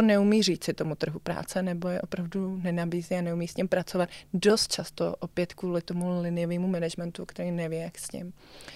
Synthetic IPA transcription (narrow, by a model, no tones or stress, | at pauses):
onɛumiːr̝iːt͡sɪt̪o̞mut̪r̩ɦupɾa̰ːt͡sɛnɛbojɛʔo̞pɾavdunɛnabiːziːanɛumiːsɲɪmpɾat͡sovat̪do̞st̪̚t͡ʃast̪o̰ʔopjɛt̪kvuːlɪt̪o̞mulɪnɪjoviːmumɛnɛʒmɛnt̪ukt̪ɛɾiːnɛvɪjɛjaksɲɪ̰m